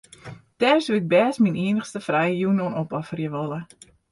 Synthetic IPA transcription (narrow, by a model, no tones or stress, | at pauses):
tɛːrsuɪɡ̚bɛːsminiənəxstəfrɛjəjunonopɔfərjəʋɔlə